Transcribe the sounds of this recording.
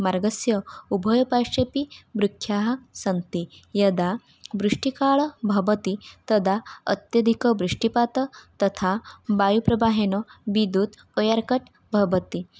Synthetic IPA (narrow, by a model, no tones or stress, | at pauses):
maɾɡəsjəubʱɔjpaʂepibɾukʰːjaɦsənt̪ijəd̪a | bɾuʂʈikaɭbʱɐbət̪it̪əd̪ʱaə̰t̪jəd̪ʱikəbɾuʂʈipat̪ət̪ət̪ʰabajupɾɐbaɦenəbid̪ut̪ | ɔjaɾkəʈ | bʱəʋət̪i